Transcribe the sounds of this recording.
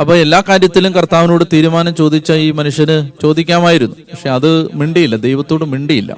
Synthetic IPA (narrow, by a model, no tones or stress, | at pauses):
ɐpːoːe̞lːaːkaːɾjɐt̪ːilumkɐrt̪aːʋinoːɽet̪iːɾumaːnɐmt͡ɕo̞ːd̪it͡ɕːɐiːmɐnuʂjɐnɨt͡ɕo̞ːd̪ikʲːaːmaːjiɾunːupɐkʂe̞ɐðɨmiɳɖijilːɐd̪ejʋɐt̪ːoːɽmiɳɖijilːɐ̰